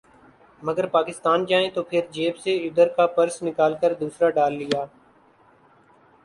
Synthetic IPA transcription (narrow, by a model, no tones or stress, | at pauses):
məɡəɾpaːkɪst̪aːnd͡ʒaːẽt̪oːpʰɪɾd͡ʒeːbseʊd̪əɾkaːpəɾsnɪkaːlkəɾd̪uːsɾaːɖaːlːɪjaː